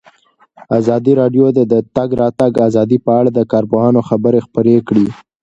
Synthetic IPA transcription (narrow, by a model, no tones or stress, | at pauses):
azɑd̪iɾɑɖjod̪ed̪ət̪aɡɾɑt̪aɡazɑd̪ipəaɽad̪əkɑɾpʊɦɑnoxabəɾexpəɾekɽi